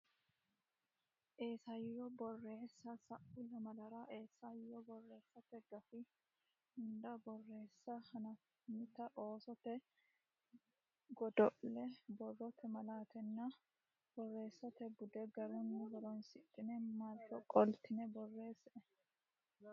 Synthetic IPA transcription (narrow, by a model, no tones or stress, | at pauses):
ʔe̞ːsɐjɔbɔrːe̞ːsːɐsɐʔʊlɐmɐlɐɾaːʔe̞ːsːɐjːɔbɔrːe̞ːsːɐt̪ɛɡɐfɪ | ʊnd̪ɐbɔrːe̞ːsːɐhɐnɐ | mɪt̪ɐʔoːsɔt̪ɛ | ɡɔd̪ɔʔɛbɔrːɔt̪ɛmɐlaːt̪ɛnːa | b̥ɔrːe̞ːsːɐt̪ɛbʊd̪ɛɡɐɾɛnːɐɡɔɾɔnsɪt̪ʼːɪnɛmaltːɔkʼɔlt̪ɪnɛbɔrːe̞ːsɛɛ